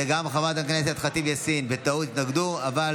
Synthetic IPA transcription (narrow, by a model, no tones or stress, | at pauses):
eɡamaχavat̪̬akneset̪χat̪ivjasinbet̪aut̪it̪naɡd̪uaval